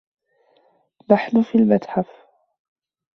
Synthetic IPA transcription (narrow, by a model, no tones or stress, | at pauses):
baħlʊfiːlmat̪ħaf